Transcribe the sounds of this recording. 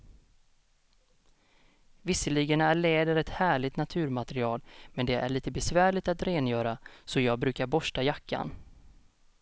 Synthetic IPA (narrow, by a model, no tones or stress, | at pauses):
vɪsːəlɪɡənæɭɛːd̪əɾɛt̪hæːɭɪt̪nat̪ʰʉ̟ːɾmat̪əɾɪɑːlmɛnd̪ɛʔæ̰ɭiːt̪əbɛsvæːɭɪt̪at̪ɾeːnjœːɾasɔjɑːɡ̚bɾʉ̟ːkaɾbɔʂʈajakʰːa̰n